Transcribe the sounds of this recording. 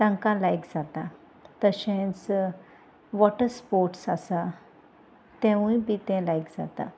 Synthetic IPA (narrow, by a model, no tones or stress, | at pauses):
t̪ãŋkãlajkd͡zat̪a | t̪əɕɛ̃t͡s | ʋɔʈəɾspoɾʈsasa | t̪ɛ̃ʋũjpit̪ɛ̃lajkd͡za̰t̪a̰